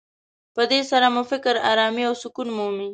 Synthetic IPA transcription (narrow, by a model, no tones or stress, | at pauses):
pəd̪esaɾamufɪkɾa̰ɾɑmiawsʊkunmumi